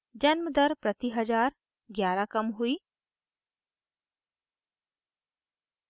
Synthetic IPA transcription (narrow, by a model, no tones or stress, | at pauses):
d͡ʒɐnməd̪əɾpɾɐt̪iɦɐd͡ʒaːɾ | ɡjaːɾakɐmɦuiː